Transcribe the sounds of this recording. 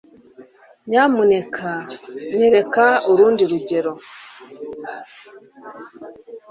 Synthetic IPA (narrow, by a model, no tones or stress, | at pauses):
ɲamunekʰaɲeɾekaoɾuːndiɾuɟeɾo